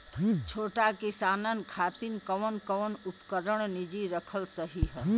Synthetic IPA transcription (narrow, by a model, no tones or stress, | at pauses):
t͡ʃʰoʈakisanənkʰat̪inkəʋnkəwnupkəɾəɽ̃nid͡ʒiɾəkʰəlsəɦiɦə